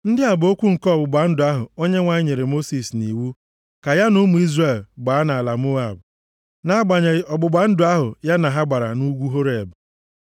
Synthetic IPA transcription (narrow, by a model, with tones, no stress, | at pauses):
n̩˦dɪ˦a˨bʊ˨o˦kʷu˦ŋ̩˨kɔ˦ɔ˨bʊ˨ɡ͡ba˨n̩˦dʊ˨a˦ɦʊ˨o˦ɲe˦ŋʷa˨ɲ˦ɲe˨ɾe˨mo˦si˨sni˨wu˦ | ka˨ja˦nʊ˦mu˨i˦zre˨lɡ͡ba˨˦a˦na˨a˨la˨mo˦a˨b̚ | na˦ɡ͡ba˨ɲe˨˦ɔ˨ɡ͡bʊ˨ɡ͡ba˨n̩˦dʊ˨˦a˦ɦʊ˨ja˦na˨ɦa˦ɡ͡ba˨ɾa̰˨nu˦ɡʷu˦ɦo˦ɾe˨e˨bʊ˨